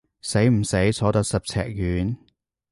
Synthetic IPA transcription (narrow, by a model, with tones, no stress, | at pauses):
se˨˥jm̩˨˩se˨˥jt͡sʰɔː˨˥t̪ɐ˨˧k̚sɐ˨p̚t͡sʰɛ̰ː˨k̚jyː˨˥n